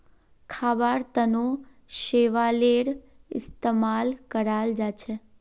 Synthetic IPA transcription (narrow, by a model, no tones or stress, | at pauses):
kʰaʋaɾt̪əno | ʃeʋaleɽ | ɪst̪emalkəɾald͡ʒat͡ʃʰe